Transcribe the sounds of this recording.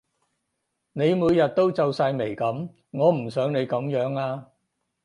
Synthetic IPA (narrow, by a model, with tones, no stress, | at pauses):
ne˨˧jmuː˨˧jːɐ˨t̚t̪o˥wt͡sɐ˧wsaː˧jme˨˩jkɐ˨˥m | ŋɔː˨˧m̩˨˩sœː˨˥ŋne˨˧jkɐ˨˥mjœː˨˥ŋaː˧